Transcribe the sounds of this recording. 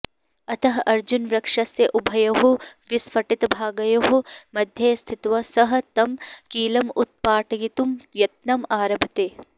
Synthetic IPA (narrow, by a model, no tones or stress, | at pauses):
ɐt̪ɐɦɐʔɐɾd͡ʒunʋɾɐkʂɐsjɐʔubʱɐjɐɦoʋisʋɐʈit̪ɐbʱaːɡɐjɐɦomɐd̪ʱjɐːst̪ʰit̪ʋɐsɐɦɐ̆t̪ɐmkiːlɐmut̪̚paːʈɐɡit̪umjɐt̪̚nɐmaːɾɐbʱɐt̪eː